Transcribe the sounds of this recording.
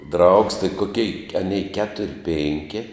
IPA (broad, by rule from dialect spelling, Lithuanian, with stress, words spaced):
drɐʊks tɐɪ koːˈkʲɛɪ ɐˈnʲɛɪ ˈkʲæːtʊrʲ ˈpʲɪŋʲkʲɪ